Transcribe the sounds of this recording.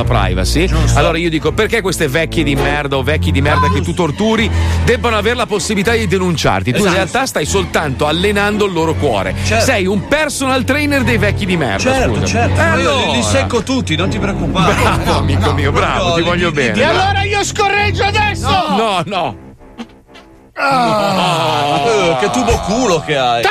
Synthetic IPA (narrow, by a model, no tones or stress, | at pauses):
apɾa̰jva̰sialːoːɾaiːod̪iːkoperkekːwest̪evɛkʲːjed̪imɛrd̪aovɛkʲːed̪imɛrd̪aket̪ːut̪ort̪uːɾid̪ɛbːanoaveːɾelaposːibilit̪ad̪id̪enunt͡ʃa̰rt̪it̪uirealt̪ast̪ajsolt̪ant̪oalːenand̪oalːoːɾokwɔ̰ːɾḛt͡ʃssɛjumpɛrsonalt̪ɾɛjnerd̪ejvɛkːid̪imɛ̰rdt͡ʃ̪aɛṵza̰t͡ʃɛɛald̪isekːot̪ut̪ːinõnt̪ipɾeokːupbɾavoamiːkomiːobɾa̰vot̪ivɔʎːobɛːnalːoːɾaiːoskorːed͡ʒːoad̪ɛsːonɔnɔ | ɔ | ket̪ːubokuːlokeaj